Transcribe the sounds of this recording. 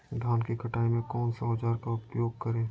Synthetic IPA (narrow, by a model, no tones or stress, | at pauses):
d̪ʱaːnkikʰɐʈaːemẽkɔːnsɐaːd͡ʒaːɾkaʊpjoːɡ̚kəɾẽː